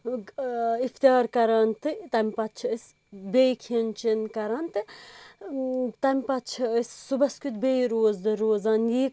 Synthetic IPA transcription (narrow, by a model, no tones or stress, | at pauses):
ift̪ijaːɾkɐɾaːnt̪ɨt̪ɐmʲpɐt̪t͡ʃʰɐəsʲ | beːjkʰint͡ʃinkɐɾaːnt̪ɨ | t̪ɐmʲpɐt̪t͡ʃʰɐəssubɐskʲut̪̚bʲejɾoːzd̪ɨɾoːzaːnjiːk